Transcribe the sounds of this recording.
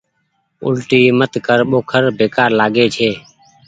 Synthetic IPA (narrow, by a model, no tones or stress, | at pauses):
ʊ̰lʈiːmət̪kəɾɓoːkʰəɾbʱeːkaːɾlaːɡeːt͡ʃʰeː